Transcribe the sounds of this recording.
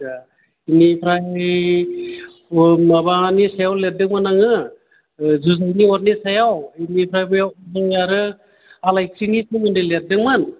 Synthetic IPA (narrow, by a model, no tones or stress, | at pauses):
a | inipʰɾaj | mabanisajawlet̚dɯŋmanaŋɯ | zuzajniɔɾnisajawinipʰɾajbɯjawzaŋjaɾɯ | alajkʰɾinisumɯndɯlet̚dɯŋmɯn